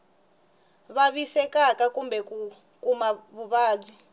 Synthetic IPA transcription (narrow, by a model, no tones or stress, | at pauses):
βaβisɛkakakumbɛku | kumaβuβaːb͡ʐi